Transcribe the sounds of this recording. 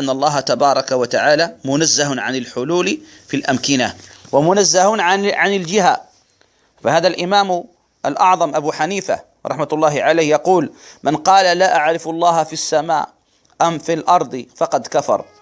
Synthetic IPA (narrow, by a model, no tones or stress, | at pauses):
ʔanːɑlˤːɑːɦat̪abɑːɾˤɑkawat̪aʕaːlamʊnazːahʊnʕanɪlħʊluːl | filʔamkɪnawamʊnazːahʊnʕaʕanɪld͡ʒɪɦa | fahaːðalʔɪmaːm | ʔa̰lʔɑʕðˤɑmʔabuːħaniːfa̰ | ɾˤɑħmat̪lˤːɑːhɪʕaleːhjɑquːlmʔanqɑːlalaʔaʕɾɪfɑlˤːɑːhfisːama̰ː | ʔamfilʔɑɾˤd̪ˤfɑqɑd̪kafɑ̰ɾˤ